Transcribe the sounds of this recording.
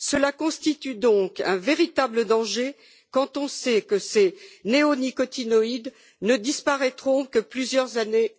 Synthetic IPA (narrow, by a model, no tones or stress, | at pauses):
səlakɔ̃st̪it̪yd̪ɔ̃kɛ̰̃veʁit̪abləd̪ɑ̃ʒe | kɑ̃t̪ɔ̃sɛkəseneɔnikɔt̪inɔid̪ | nəd̪ispaʁɛt̪χɔ̃kəplyzjœʁzane